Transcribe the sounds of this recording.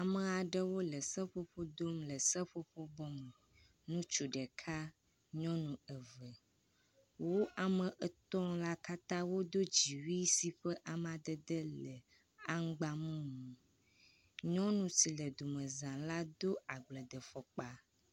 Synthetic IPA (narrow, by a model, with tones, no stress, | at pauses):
a˨mə˨a˨ɖə˦wo˦lə˨sə˦ɸo˦ɸo˦d̪o˦mlə˨sə˦ɸo˦ɸo˦bɔ˦mə˨ | nũ˦t͡ʃu˨ɖɛ˨kʰa˦ | ɲɔ̃˦nũ˨ə˨və˨ | wo˦a˨mə̃˨ʔə˨t̪ɔ˦la˦ka˦t̪ã˦wo˦d̪o˦d͡ʑi˨wi˦si˦ɸə˦ʔa˨m˨a˨d̪ə˦d̪ə˦lə˨ | a˦ŋ̩˦ɡ͡ba˦mũ˦mũ˨ | ɲɔ̃˦nũ˨si˨lə˨d̪o˨mə̃˨zã˨la˦d̪o˦a˨ɡ͡blə˨d̪ə˨fɔ˨k͡pa˦